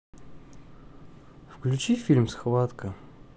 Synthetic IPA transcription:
fklʲʉt͡ɕifʲilʲmsxvat̪kə

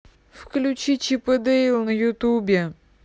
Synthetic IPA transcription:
fklʲʊt͡ɕit͡ɕipəd̪ɛɪlˠnəjʊt̪ubʲɪ

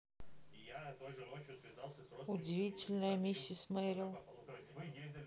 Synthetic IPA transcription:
ɪʊdʲɪvʲitʲɪlʲnəjəmʲisʲːəsmɛɾʲɪlˠ

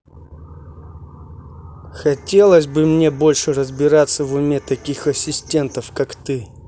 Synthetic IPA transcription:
xɐtʲe̞lˠəsʲbɨmnʲe̞bo̞lʲʂɨrəzbʲɪɾat̪sːəvʊmʲet̪ɐkʲixɐsʲɪsʲtʲe̞nt̪əfkakt̪ɨ

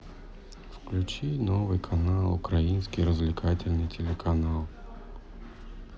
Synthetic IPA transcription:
fklʲʉt͡ɕinovɨjkʰɐnalˠʊkɾɐjinsʲkʲijɾəzvlʲɪkʰatʲɪlʲnɨjtʲɪlʲɪkʰɐnalˠ

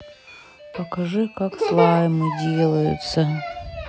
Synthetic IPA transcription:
pəkɐʐɨkakslˠajmɨdʲelˠəjʊ̰t̪sə

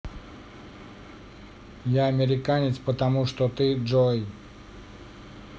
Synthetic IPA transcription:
jaɐmʲɪɾʲɪkanʲɪt̪spət̪ɐmuʂt̪ot̪ɨʐoj

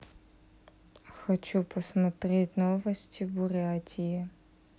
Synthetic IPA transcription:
xɐt͡ʃupʰɐsmɐt̪ɾʲetʲnovɐsʲtʲʰibʊɾʲatʲʰiji

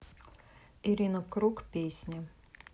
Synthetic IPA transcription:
iɾʲinɐkɾukpʲesʲnʲɐ

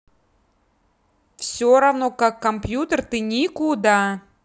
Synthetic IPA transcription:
fsʲoɾɐvnokakːɐmpjut̪ərt̪ɨnʲikʊd̪a

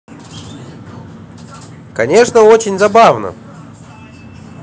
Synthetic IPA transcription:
kɐnʲeʂnəot͡ɕɪnʲzabavnə̰

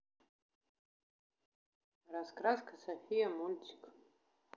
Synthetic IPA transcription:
raskʼrazkʰasafijamulʲtʰi̥kʰʼ

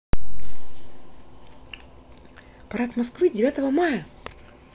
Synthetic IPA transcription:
pɐɾat̪mɐskvɨdʲɪvʲat̪əvəmajə

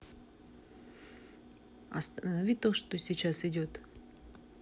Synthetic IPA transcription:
ɐ̰st̪ənɐvʲit̪oʂt̪osʲit͡ɕasɪdʲot̪

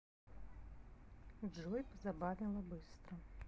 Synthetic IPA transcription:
d͡ʐʐɔjpɐzabavʲɛlˠɐbɨst̪ɾɐ

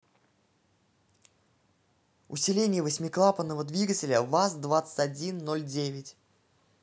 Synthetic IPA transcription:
ʊ̰sʲɪlʲenʲɪjəvəsʲmʲɪklˠapənːəvəd̪vʲiɡətʲɪlʲəvasd̪vat̪sə̥tʲɐdʲinːolʲdʲevʲɪtʲ

